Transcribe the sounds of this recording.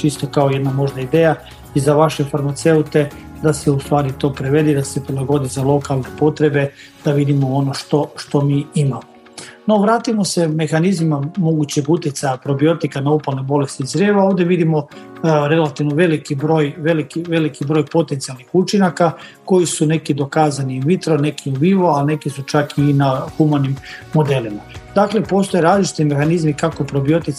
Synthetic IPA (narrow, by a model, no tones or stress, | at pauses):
t͡ʃist̪o̞kaoje̞d̪namo̞ʒd̪aid̪eːja | izaʋaʃe̞faɾmat̪se̞ut̪e̞ | d̪ase̞ust̪ʋaːɾit̪o̞ːpɾeʋe̞d̪id̪ase̞pɾilˠaɡo̞d̪izalˠo̞kalˠne̞po̞t̪ɾe̞be̞ | d̪̥aʋid̪imoono̞ʃt̪o̞ʃt̪o̞miːimamo | no̞ʋɾaːt̪imo̞se̞me̞xanizmimamo̞ɡut͡ɕe̞ɡut̪jet̪sajapɾo̞bio̞t̪ikanaupolnebo̞le̞st̪izzɾeːʋao̞ːʋd̪jeʋid̪imo̞ | ɾe̞lat̪iʋnoʋe̞likibɾo̞ːjʋe̞likiʋe̞likibɾo̞ːjpo̞t̪ent̪sialnixut͡ʃinakako̞jisune̞kid̪o̞kaːzaniʋit̪ɾo̞ne̞kʰiuʋiʋo̞alne̞kisut͡ʃakinaxumanimmo̞d̪e̞limad̪akle̞po̞st̪o̞jeɾaːzlit͡ʃi̥t̪ime̞xanizmikakopɾo̞bio̞t̪i